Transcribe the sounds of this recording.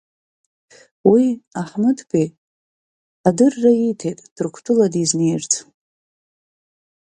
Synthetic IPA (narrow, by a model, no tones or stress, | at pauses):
wiaħmɨtʰpʰʼi | adɨrːaitʰe̞jtʼd̥ɨrkʷʰtʰɨladizne̞jrt͡sʰʼ